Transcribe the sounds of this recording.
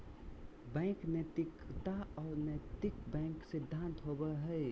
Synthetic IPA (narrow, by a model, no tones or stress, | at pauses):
bɛ̃knt̪ikt̪aɔːɾnət̪ikbɛ̃ŋksɪd̪ʱːãnt̪ɦobəɦɛɪ